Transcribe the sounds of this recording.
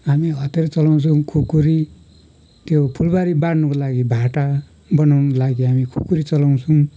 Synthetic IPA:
ɦamiɦʌt̪eɾʌt͡sʌlaw̃t͡sʰʌ̃kʰukuɾi | t̪jopʰulbaɾibaɽnʌkolaɡibʱaʈa | bʌnawnʌlaɡiɦamikʰukuɾit͡sʌlaw̃t͡sʰuw̃

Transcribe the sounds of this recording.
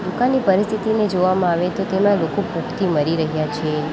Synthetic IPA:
d̪ukãnːipəɾist̪ʰit̪ined͡ʒoʋamãaʋet̪ot̪emãlokopukt̪iməɾiɾəɦjat͡ʃʰe

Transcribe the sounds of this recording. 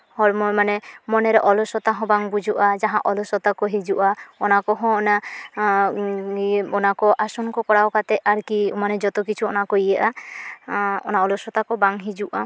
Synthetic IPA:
hɔɽmɔmanɛmɔnɛɾɛʔɔlɔsɔt̪aɦɔ̃baŋbud͡ʒuʔad͡ʒaɦã̰ʔɔlɔsɔt̪akɔɦid͡ʒuʔaɔnakɔɦɔ̃ɔna | ɔnakɔʔasɔnkɔkɔɽawkat̪ɛaɾkiṵmanɛd͡ʒɔt̪ɔk̬it͡ʃʰuɔnakɔjaʔa | ɔ̰naɔlɔsɔt̪akɔbaŋɦid͡ʒuʔa

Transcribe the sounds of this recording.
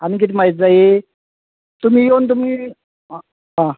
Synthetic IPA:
anik̬it̪̬ʰiːm̤ajit̪̚d͡zae | t̪um̤iːjont̪̬umiː | ɦã

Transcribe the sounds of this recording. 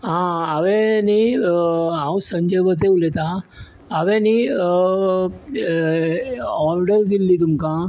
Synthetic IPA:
ɦãaʋeni | ãwsəɲd͡ʑəjʋət͡seulet̪aː | ʋẽni | ɔɾɖəɾd̪ilːit̪̬umkã

